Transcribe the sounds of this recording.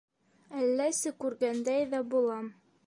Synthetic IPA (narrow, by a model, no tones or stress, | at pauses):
ælːæsɘkʉɾɡænd̪æjðæbulˠɑm